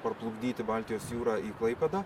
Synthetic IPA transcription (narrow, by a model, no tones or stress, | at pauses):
pɐɾplˠʊɡd̪ʲiːt̪ʲɪbɑlʲt̪ʲɪjoːsjuːɾɑːiːklˠɐɪpʲɛd̪ɑː